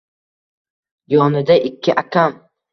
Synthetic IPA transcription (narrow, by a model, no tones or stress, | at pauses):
jɒnɪd̪aʔɪkʲʰːɪʔakʲʰam